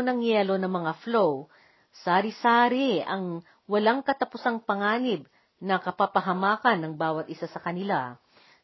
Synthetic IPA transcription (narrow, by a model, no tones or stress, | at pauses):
nɐŋjɛːlo̞nɐŋmɐŋaflow | saːɾɪsaːɾɪɐŋ | wɐlaŋkɐt̪ɐpʊsaŋpɐŋaːnɪb̚ | nɐkɐpɐpɐɦɐmaːkɐnːɐŋbaːwɐt̪̚ɪsasɐkɐnɪla